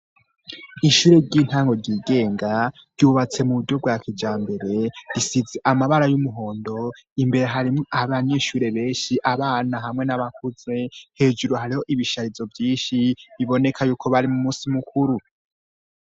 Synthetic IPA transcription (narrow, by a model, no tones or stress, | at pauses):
iʃuːɾe̞ɾɟiːn̥haːŋɡo̞ɾɟiːɡe̞ːŋɡaɾɟuβat͡se̞muβudɟjo̞bɡwakʰid͡ʒaːmbe̞ɾe̞ɾisizeʔamaβaɾajumuɦo̞ːndo̞ | imbe̞ɾe̞ɦaɾimʔaβaɲe̞ʃuːɾe̞βe̞ːnʃiʔaβaːnaɦamŋe̞naβakuze̞he̞ːd͡ʒuɾoɦaɾiho̞ʔiβiʃaɾizo̞vjiːnʃiβiβo̞ne̞kʰajuːkʰo̞βaɾimumusimukʰuɾu